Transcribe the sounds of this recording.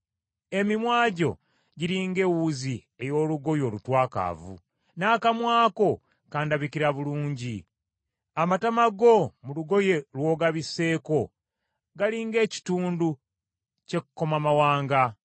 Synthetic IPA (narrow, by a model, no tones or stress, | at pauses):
e̞mimwaːɟo̞̰ | ɟiɾiŋɡe̞wuzi | e̞jo̞ːluɡo̞jo̞lutwaːka̰ːvṵ | naːkamwaːko̞ | kaːndaβikiɾaβuluːɲɟi | amatamaɡo̞muluɡo̞je̞lwo̞ːɡaβise̞ːko̞ | ɡaliŋɡe̞ːci̥tuːndu | ce̞kuko̞mamawaːŋɡa